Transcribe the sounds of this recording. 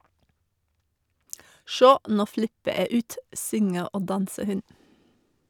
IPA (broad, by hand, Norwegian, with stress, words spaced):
ˈʃoː ˈnuː ˈflɪpə ˈeː ˈʉːt ˈsʏŋə ˈoː ˈdɑnsə ˈhʉn